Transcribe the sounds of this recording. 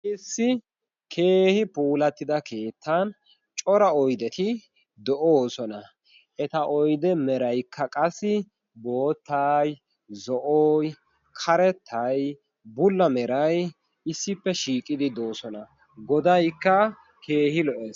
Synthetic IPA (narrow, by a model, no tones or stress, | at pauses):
ʔɪsːɪ | kʰe̞ːhɪpuːlɐt̪ːɪd̪ɐke̞ːt̪ːɐn | t͡ʃʼɔɾɐɔjd̪ɛt̪ɪ | d̪ɔʔoːsɔnɐ | ʔɛt̪ɐʔɔjd̪ɛmɛɾɐjkːɐkʼɐsːɪ | bo̞ːt̪ːɐj | zɔʔoːj | kʰɐɾɛt̪ʰːɐj | bʊlːɐmɛɾɐj | ɪsːɪpːɛʃiːkʼɪd̪ɪd̪o̞ːsɔnɐ | ɡɔd̪ɐjkːɐ | ke̞ːhɪlɔʔɛ